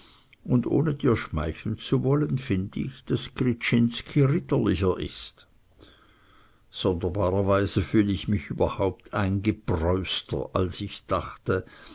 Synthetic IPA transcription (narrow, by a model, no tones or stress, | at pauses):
ʊndʔo̰ːnəd̥iːɐʃmaɪçl̩nt͡suvɔlənfɪndəɪçd̥askʁit͡ʃɪnskʰiʁɪtəlɪçɐʔɪ̰st | z̥ɔndɐbaːʁɐvaɪzəfyːləɪçmɪçyːbɐhaʊp̚tʰaɪnɡəb̥ʁɔʏstʰɐ̰ʔa̰lsɪçd̥aχtə